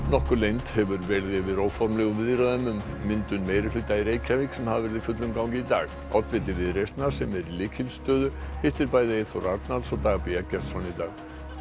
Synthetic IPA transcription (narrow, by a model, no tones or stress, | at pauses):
nɔhkʏɾlejnt̪hɛvʏɾvɛɾðɪvɪðɾoːwfɔɾmlɛɣʏmvɪðɾaðɛmʏmːɪnt̪ʏnmeːjɾɪflɪt̪ːaiɾeːjcʰavɪksɛmhavavɛɾɪðifʏt̪lʏmkawŋcɪit̪a̰ːɣ | a̰wt̪vɪt̪lɪvɪðɾejst̪naɾ̥sɛmɛɾilɪːcʰɪlst̪œːðʏheht̪ɪɾpaːjðɪɪθowɾaɾt̪nalsɔt̪aːɣapiɛcɛ̥t̪sɔnit̪aːɣ